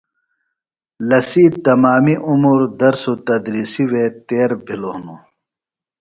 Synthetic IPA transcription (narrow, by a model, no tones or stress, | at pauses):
lɐsiːt̪ɐmaːmiʔumuːɾd̪ɐɾsot̪ɐd̪ɾiːsiweːt̪eːɾbʱiloːnu